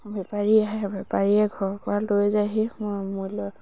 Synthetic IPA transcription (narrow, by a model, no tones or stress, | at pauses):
bɛpaɹiaɦɛbɛpaɹiɛɡʱɔɹpɔalojzaɦimɔmulɔ